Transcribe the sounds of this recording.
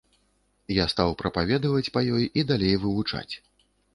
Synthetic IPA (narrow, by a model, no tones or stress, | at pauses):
jast̪awpɾɐpavʲɛd̪ɐvɐt͡sʲpɐjɔjid̪alʲejvɨvut͡ʂa̰t͡sʲ